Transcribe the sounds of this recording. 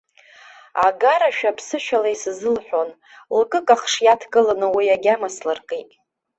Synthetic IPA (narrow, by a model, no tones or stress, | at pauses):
aɡaɾaʃᶣapʰsɨʃᶣalaisɨzɨlħʷᶣon | lkʼɨkʼaχʂjatʰkʼɨlanɨwijaɡʲamaslarkʼetʼ